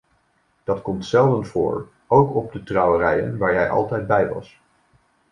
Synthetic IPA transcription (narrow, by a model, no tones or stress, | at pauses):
d̥ɑtkɔmtsɛlˠdənvʊ̰ːɹ | owkɔb̚dətrɑwərɛjə̰nʋaːɹjɛjʔɑ̰lˠtɛjd̚bɛjʋɑ̰s